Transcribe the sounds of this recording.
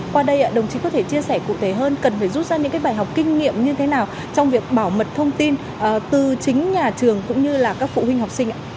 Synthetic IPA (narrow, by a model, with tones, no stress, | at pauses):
kwaː˧ɗə˧jʔaː˧˩ɗə˨˩wŋ͡mt͡ɕï̟˨˦kɔ˨˦t̪ʰe˧˩t͡ɕi˧əsɛ˧˩kṵ˧˨t̪ʰe˨˧˩ɦəː˧nkə˨˩nfaː˧˩jzu˦˥t̚zaː˧ɲɨ̰˧˥kaː˨˦jɓaː˧˩jɦa˨˩wk͡p̚kï˧ŋ̟ŋḭ˧˨əmɲɨ˧t̪ʰe˨˦naː˨˩w | t͡ɕɔ˧wŋ͡mvi˨˩ək̚ɓaː˧˩wmə˨˩t̚t̪ʰə˧wŋ͡mt̪i˧n | ʔːt̪ɨ˨˩t͡ɕï˨˦ŋ̟ɲaː˨˩t͡ɕɨ˨˩əŋkʊ̰˧˥ŋ͡mɲɨ˧laː˨˩kaː˦˥k̚fṵ˧˨hwi˧ŋ̟ɦa˨˩k͡p̚sï˧ŋ̟ʔaː˧˨